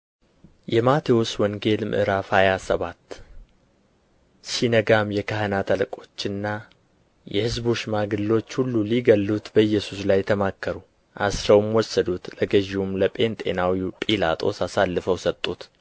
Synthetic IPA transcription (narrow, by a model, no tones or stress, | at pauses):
jɛmat̪ʰewuswɔŋɡe̞lmʔɨ̰ʔɨɾafajasəβat̪ː | sinəɡamjɛkʰahənat̪ʰələkʼo̞t͡ʃːɨnːa | jɛhɨzboʃmaɡɨlːo̞t͡ʃːhulːuliɡəlːut̪bəɨjːɛsuslajt̪ʰəmakːəɾu | ʔa̰sɾəwmwɔsəd̪ut̪ləɡəʒiumləpʼe̞nt̪ʼe̞̰nawipʼila̰t̪ʼo̞̰sasalːɨfəwsət̪ʼːut̪